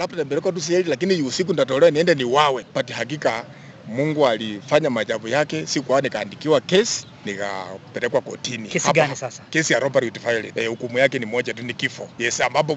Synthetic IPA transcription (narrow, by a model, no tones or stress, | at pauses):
labatɛmbɛlɛkwat̬us̬ɛɛlilakiniusik̬unitat̬ɔlɛwaniɛndɛniwawɛpatihak̬ika | muŋɡualifaɲamad͡ʒavujakɛsikwawɔnikaːndikiwakɛsi̥ | nika̰pɛlɛkwakɔ̰tinihapkɛsijaɾɔpaɾiutifailiɛhukumujakɛnimɔd͡ʒatunikifɔjɛsambap̬ɔ